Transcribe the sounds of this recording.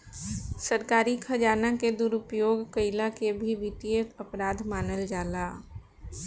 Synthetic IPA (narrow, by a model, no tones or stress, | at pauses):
səɾkaːɾikʰəd͡ʒaːnaked̪uɾʊpjoːɡkəɪlakebʱiʋɪt̪iət̪əpɾaːd̪maːnəld͡ʒaːlaː